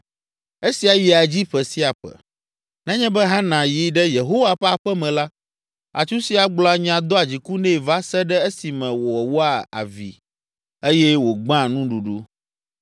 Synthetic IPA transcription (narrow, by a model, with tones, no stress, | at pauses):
e˦si˨a˨ji˨a˨d͡ʑi˦ɸɛ˨si˦a˨ɸɛ̰˨ | nɛ̃˦ɲɛ̃˦bɛ˦ɦã˦nã˨ji˦ɖɛ˦je˨ɦo˦wa˨ɸɛ˦a˨ɸɛ˦mɛ̃˨la˦ | a̰˨t͡ʃu˦si˦a˨ɡ͡bla˦ɲã˨d̪ɔ˦a˨d͡ʑi˨ku˦nɛ̃˦˨va˦sɛ˦ɖɛ˦e˦si˨mɛ̃˨wo˨ɛ˨wo˦a˨a̰˨vḭ˨ | e˦jɛ˦wo˨ɡ͡bã˦˨nũ˦ɖu˨ɖu˦